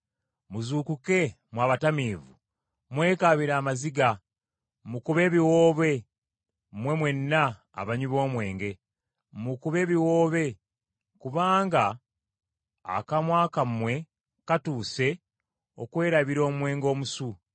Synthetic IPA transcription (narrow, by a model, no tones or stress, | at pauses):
muzuːkuke̞ | mwaːβatamiːvu | mwe̞ːkaβiɾaːmaziɡa | mukuβe̞ːβiwoːβe̞ | mwe̞mwe̞nːa̰ː | βaɲuβo̞ːmwe̞ːŋɡe̞ | mukuβe̞ːβiwo̞ːβe̞ | kuβaːŋɡa | kamwaːkamwe̞ | katuːse̞ | o̞̰kwe̞ːɾaβiɾo̞ːmmwe̞ːŋɡo̞ːmusu